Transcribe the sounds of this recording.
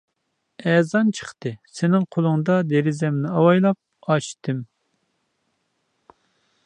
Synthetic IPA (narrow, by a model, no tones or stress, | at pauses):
ɛzɑnt͡ʃʰə̥χt̪ɨsɪnɪŋqʰolˠʊŋd̪ɑd̪eɾɪzɛmnɪɑwɑjlˠɑp̚ɑʃt̪ʰɨm